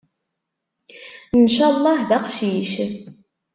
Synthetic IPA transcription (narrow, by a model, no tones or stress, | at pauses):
ənʃælˤːɑhðæqʃjiʃə